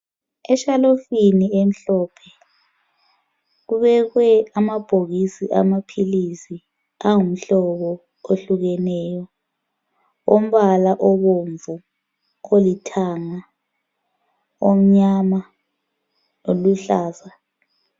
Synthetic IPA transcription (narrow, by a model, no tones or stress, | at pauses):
ɛʃalofiniem̩ɬɔpʰɛ | ɣuβɛɣwɛamab̥ʱoɣisiʔa̰mapʰilisi | aŋum̩ɬɔβɔ | oɬuɣɛnɛːjɔ | om̩βalaʔɔβoɱvu | olitʰaŋa | om̩ɲama | oluɬaːza